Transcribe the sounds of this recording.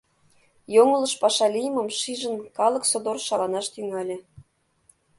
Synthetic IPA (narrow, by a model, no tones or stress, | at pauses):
joŋə̆lɤ̆ʃpɑʃɑlʲijəməmʃiʒə̆nkɑlɤ̆ksod̪orʃɑlɑnɑʃt̪yŋɑlʲĕ